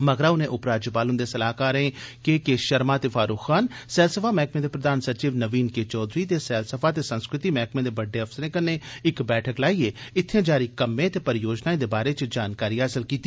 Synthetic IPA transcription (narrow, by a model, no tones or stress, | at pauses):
məɡɾaːʊnẽʔʊpɾaːd͡ʒəpaːlʊnd̪eːsɐlaːkaːɾẽːkeːkeːʃəɾmaːt̪eːfʰaːɾuːkːaːnsɛːlsəfʰaːmɛːkmẽd̪eːpɾəd̪aːnsəɾt͡ʃiːʋnəʋiːnket͡ʃɔːd̪ɾiːt̪esɛːlsəpʰaːt̪eːsə̃nskɾɪt̪imɛːkmẽd̪eːbəɖːeːɐfsəɾẽːkənːeɪkbɛːʈʰəklaːieːɪt̪ʰːjẽːd͡ʒaːɾikəmːẽt̪epəɾjoːd͡ʒnaːẽd̪eːbaːɾet͡ʃd͡ʒaːnkaːɾiːɦaːsəlkiːt̪i